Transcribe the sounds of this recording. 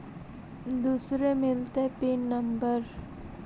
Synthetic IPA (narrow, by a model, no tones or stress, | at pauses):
d̪usɾemɪlt̪epiːnːəmbəɾ